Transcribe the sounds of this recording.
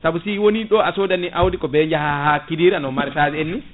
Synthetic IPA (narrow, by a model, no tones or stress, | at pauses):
sabusiwoniɗɔasodanːiʔawdikɔbɛd͡ʒahahakidiːɾanɔmaɾɛsad͡ʒɛenːi